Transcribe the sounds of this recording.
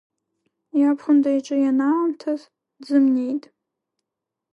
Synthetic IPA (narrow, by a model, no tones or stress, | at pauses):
japʰχʷʊndajiʈ͡ʂʼɨjanalamtʰaz | d͡zɨmnʲe̞jtʼ